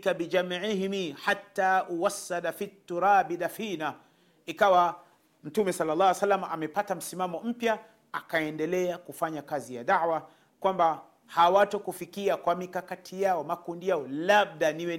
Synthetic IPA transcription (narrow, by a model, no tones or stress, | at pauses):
kabid͡ʒamʕihmiħatːaːʔuwasːadafit̪ːuɾaːbidafiːna | ikawa | m̩tumɛsalːalːɑːhwsalːamaʔamɛpatam̩simamɔm̩pja | akaɛndɛlɛakufaɲakazija̰daʕwa | kwamba | hawatɔkufikiakwamikakatʰijaɔmakundijaɔlab̚daniwɛ